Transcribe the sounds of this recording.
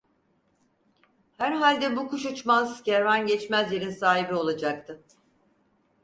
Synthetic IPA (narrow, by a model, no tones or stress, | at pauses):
hæɾɦalʲd̪ɛbukuʃ̬ut͡ʃmazceɾvænɟɛt͡ʃmæzjeɾinsaːɦibio̞lˠad͡ʒak̚t̪ʰɯ